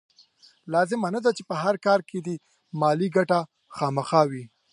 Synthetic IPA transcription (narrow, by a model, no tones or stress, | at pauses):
lɑzɪmanad̪at͡ʃepəɦaɾkɑɾkʰed̪i | mɑliɡaʈa | xɑməxɑwi